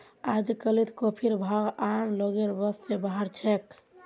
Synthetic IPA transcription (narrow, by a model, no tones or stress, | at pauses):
ad͡ʒkəlit̪kopʰiɾbʱaɡamloɡeɾbəssebaɦəɾt͡ʃʰɛk